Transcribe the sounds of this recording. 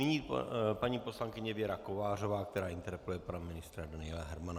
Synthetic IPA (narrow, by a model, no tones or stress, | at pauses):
ɪɲiːpaɲiːpo̞slaŋkɪɲɛvjɛɾakovaːro̞vaːk̚t̪ɛɾaːʔɪnt̪ɛɾpɛlujɛpanamɪnɪst̪ɾadanɪɛlaɦɛɾmana